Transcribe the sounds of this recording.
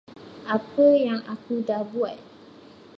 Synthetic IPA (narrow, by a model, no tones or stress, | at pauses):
ʔapəjaŋakudabuaj